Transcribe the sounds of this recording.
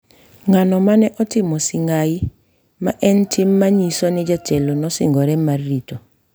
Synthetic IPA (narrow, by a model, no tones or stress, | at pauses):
ŋanɔmanɛʔɔtɪmɔsɪŋɡai | maʔɛntʰɪmːaɲisɔnɪd͡ʒatɛlɔnɔsɪ̰ŋɡɔɾɛmarːitɔ